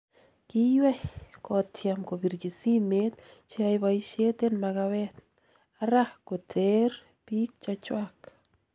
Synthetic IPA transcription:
ki˦jwɛ˦hko˨t̪jamko˨bi˨ɾt͡ʃi˨si˦me˦t̪̚t͡ʃiajbajʃe˦t̪enma˧ɡa˧βet̪̚ | aɾahko˨t͡seɾ | pi˦k̚t͡ʃat͡ʃwak

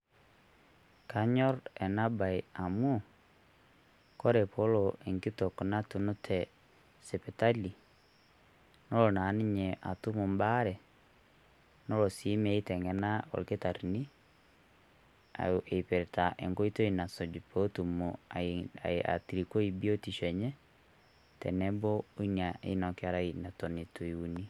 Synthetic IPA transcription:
ka˦ɲɔ˦ɾɛ˨na˦ba˨ia˨mo˦˨ | kɔ˦ɾɛ˨pɔ˦loʔe˨ŋki˦to˨kɔ˨na˦tu˨nu˦tʰɛ | sɛ˨pɛ˨ta˦li˨ | nɔ˦lɔ˨na˨ni˦ɲɛ˨ʔa˨tu˦mu˨mba˦ɾɛ˨ | nɔ˦ɾo˨si˦mɛ˦i˦tɛ˨ŋɡɛ˨na˦o̰˨ɾike˦ta˨ɾini˦ | a̰ʔepɛ˨ɾɛtaʔɛ˨ŋko˦i˦to˦i˨na˨sɔ˨d͡ʒu˨pɔ˦tu˨mu | a̰a̰˨ti˨ɾiko˦ibi˦o˦ti˨ʃɛ˨ɲɛ˦ | tɛ̰nɛ˦bɔ˦o˦i˦nia˨ʔḛ˦nɔ˨kɛa˦ɾa˦ina˨tɔ˨ni˨to˨i˨u˨ni˦

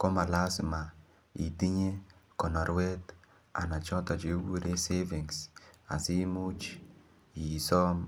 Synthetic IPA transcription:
kɔ˦ma˨la˦sɪ˨ma˨ | ḭ˨ti˦ɲe˦kɔ˨na˨ɾwe˦t | a̰˨na˨t͡ʃɔ˦ta˨d͡ʒe˨˦wu˦ɾe˦se˦vi˨ŋsa̰˨si˦mu˦t͡ʃ | i˨sɔ˦m

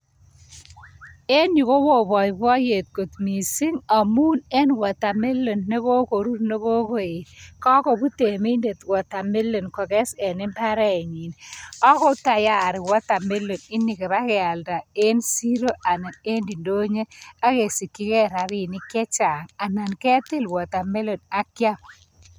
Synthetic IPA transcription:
e˦ni˨ko˦wo˨bɔ˨jbɔ˦je˨t̚ko˨t̪mi˨si˦ŋa˨mu˦ne˦nwɔ˨ta˨me˦lːo˨nːe˦ko˦ko˨ɾu˦ɾne˦ko˦ko˦˨e˨kɔ˦kɔ˨bu˦te˨mi˦nde˨twɔ˨ta˨mi˦lːo˨nkɔ˨kɛ˦sɛ˨nɪ˦mpa˦ɾɛ˦˨ɲi˨nɔ˦kɔ˦ta˨ja˦˨ɾɪ˨wɔ˦ta˨mi˦lo˨nɪ˦nːɪ˨ke˨ba˦kɛ˨a˨lda˨e˦nsi˦ɾo˦a˨na˨ne˦ndi˨ndo˦ɲe˦a˦ke˨si˨kːi˦kɛ˦ɾa˨ɾi˦˨nɪ˦kɛ˦t͡ʃa˨ŋa˨na˨nkɛ˦t̪e˦lwɔ˨t̪a˨me˦lo˨na˦kja˦p

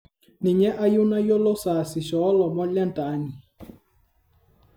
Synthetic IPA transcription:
nɪ˨ɲɛ˦ʔa˦jʊ˦na˦jo˦lo˦saː˨sɪ˨ʃɔ˨˦lɔ˨mɔ˦la˦n˦ta˨˦ni˨

